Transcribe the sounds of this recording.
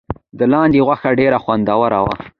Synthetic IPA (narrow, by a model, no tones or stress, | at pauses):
d̪əlɑnd̪eɣwaxaɖeɾaxwand̪awaɾawa̰